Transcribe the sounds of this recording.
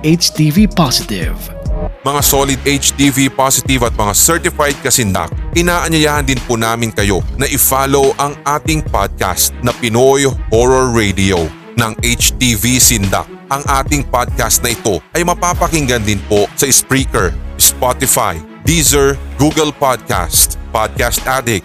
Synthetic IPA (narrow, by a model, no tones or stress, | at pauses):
ʔet͡ʃt̪ivipasɪt̪ɪ̰v | mɐŋasolɪd̪ʔejt͡ʃt̪ivipasɪt̪ɪvɐt̪̚mɐŋasɛɹt̪ɪfajd̪̚kɐsɪnd̪a̰k̚ʔɪnaːʔɐɲɐjaːhɐnd̪ɪnpʊnaːmɪnkɐjo̞nɐʔɪfaːlo̞wʔɐŋʔaːt̪ɪŋpa̰d̪̚ka̰st̪̚nɐpɪnojhoɹoɹːɛjd̪io | nɐŋʔejt͡ʃt̪ivisɪnd̪a̰k̚ʔɐŋʔaːt̪ɪŋpad̪̚kast̪̚nɐʔɪt̪o̞ʔɐjmɐpaːpɐkɪŋɡɐnd̪ɪnpo̞sɐʔɪspɹiːkɛɹspat̪ɪfa̰j | d̪izɐɹɡuːɡɐlpad̪̚ka̰st̪pad̪̚kast̪ʔad̪ɪk̚